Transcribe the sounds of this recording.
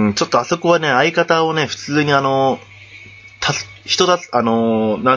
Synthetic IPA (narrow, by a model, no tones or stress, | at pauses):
t͡ɕo̞t̪ːo̞aso̞kɯ̟βane̞aikat̪ao̞ne̞ɸɯ̟̥t͡sɨːɲ̟iano̞ | t̪ʰas | çi̥t̪o̞d̪aano̞nã